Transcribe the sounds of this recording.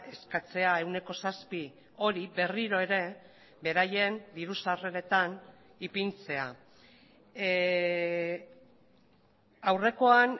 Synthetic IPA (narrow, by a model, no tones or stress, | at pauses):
e̞skat͡se̞ae̞wne̞ko̞saspi | o̞ɾibe̞riɾo̞e̞ɾe̞ | be̞ɾaje̞nd̪iɾusare̞ɾe̞t̪an | ipint͡se̞a | awre̞ko̞an